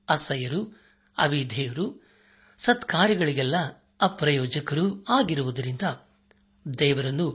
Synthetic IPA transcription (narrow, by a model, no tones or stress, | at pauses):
ɐsɐjɐɾu | ɐ̰ʋid̪ʱɛːjɐɾu | sɐt̪kaːɾjɐɡɐɭiɡɛlːɐː | pɾɐjɔːd͡ʒɐkɐɾuaːɡiɾuʋud̪ɐɾind̪ɐ | d̪ɛːʋɐɾɐnːu